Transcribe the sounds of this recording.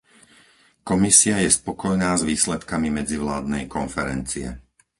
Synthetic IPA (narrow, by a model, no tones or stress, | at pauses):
kɔmisiajɛspɔkɔjnaːzʋiːslɛt̪kamimɛd͡ziʋlaːd̪̚nɛjkɔnfɛɾɛnt͡siɛ̰